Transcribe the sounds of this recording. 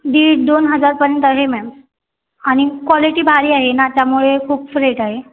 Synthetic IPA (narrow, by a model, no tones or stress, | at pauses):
ɖ̪iːʈ̚d̪onɦəd͡zaɾpəɾent̪əɦemɛms | aɽ̃ikwɔliʈiːbʱaɾiːaɦenat̪jamuɭekʰuːpfɾeʈaɦe